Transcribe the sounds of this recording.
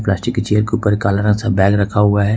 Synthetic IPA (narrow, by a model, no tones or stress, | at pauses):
plaːsʈɪkːet͡ʃeːəɾkeupəɾekaːlaɾə̃ŋɡsabɛːɡɾɐkʰaɦʊaɦɛ